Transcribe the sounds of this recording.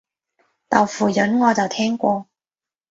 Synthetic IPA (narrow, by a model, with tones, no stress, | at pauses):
t̪ɐ˨˩wfuː˨˩jɵ˨˥nŋɔː˨˧t͡sɐ˨wt̪ʰɛː˥ŋkʷɔː˧